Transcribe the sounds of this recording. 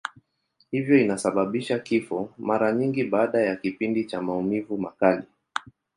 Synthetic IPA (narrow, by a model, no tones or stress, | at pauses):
hivjɔinasaɓaɓiʃakifɔmaɾaɲiŋɡiɓaːɗajakipindit͡ʃamaumivumakali